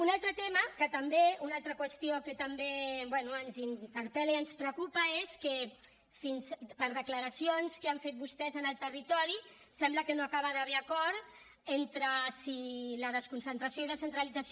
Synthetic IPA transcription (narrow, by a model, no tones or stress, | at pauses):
unalˠt̪ɾət̪eməkət̪əmbeunalˠt̪ɾəkwəst̪iokət̪əmbebwɛnuənzint̪əɾpɛliənspɾəkupəeskə | finspəɾðəkləɾəsionskeaɱfet̪̚bust̪ɛzənəlˠt̪ərit̪ɔɾi | sɛmbləkənoakaβəðəβ̞eakɔɾ | ent̪ɾəsiləðəskunsənt̪ɾasjoiðəsənt̪ɾalid͡zas